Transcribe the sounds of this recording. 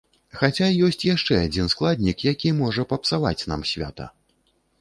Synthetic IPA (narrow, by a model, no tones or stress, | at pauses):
xat͡sʲajɔsʲt͡sʲjaʂt͡ʂɛad͡zʲinsklˠad̪ʲnʲikjakʲimɔʐɐpɐpsava̰t͡sʲna̰msʲvʲa̰t̪ɐ̰